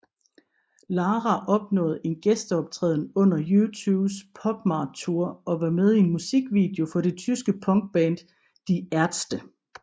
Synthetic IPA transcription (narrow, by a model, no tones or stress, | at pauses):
lɑ̈ːʁæʔɒ̽b̥nɔ̰̽ːð̞̩ˠe̝nɡ̥esd̥əɒ̽b̥̚t͡sʰʁɛ̰ːðˠn̩ɔ̽n̰ɐjut͡sʰuːbspʰɒ̽b̥mɑ̈ːd̥̚t͡sʰuɐɒ̽ʋɑ̈með̞ˠie̝nmusiɡ̥ʋḭd̥e̝o̝fɒ̽ɾ̥e̝t͡sʰysɡ̥əpʰɒ̽ŋɡ̥̚b̥ɛːnd̥ | d̥iæɐd̥sd̥ə